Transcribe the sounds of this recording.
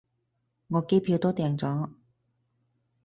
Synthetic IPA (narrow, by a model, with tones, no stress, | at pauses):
ŋɔː˨˧˥ke˥jpʰiː˧wt̪ɔː˥t̪ɛː˧ŋt͡sɔː˨˥